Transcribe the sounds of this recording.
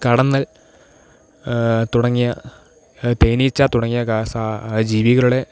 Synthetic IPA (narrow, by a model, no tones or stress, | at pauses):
kɐɽɐnːɐl | t̪uɽɐŋːijɐ | t̪ejnit͡ɕːaːt̪uɽɐŋːijɐkaːsad͡ʑiːʋiɣɐɭuɽe̞